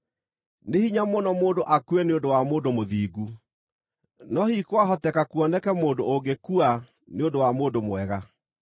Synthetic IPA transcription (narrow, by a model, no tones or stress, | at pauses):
nehiɲamonɔmoːndoʔakuɛneodowamoːndomoðiːɡu | nɔhikwaɦɔtɛkakuɔnɛkɛmoːndoʔoɡekua | neondowamoːndomwɛɣa